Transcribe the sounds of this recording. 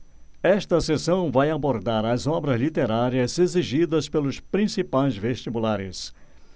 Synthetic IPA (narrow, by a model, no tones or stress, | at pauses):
ɛst̪ɐsesɐ̃w̃vajaboɾd̪aɾɐzɔbɾɐzlit̪eɾaɾiɐzeziʒid̪ɐspelʊspɾĩsipajzveʃt͡ʃibulaɾɪ̰s